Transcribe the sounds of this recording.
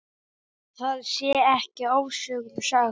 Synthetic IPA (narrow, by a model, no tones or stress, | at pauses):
θaðsjɛɛhcɪoːwsʏɣʏmsa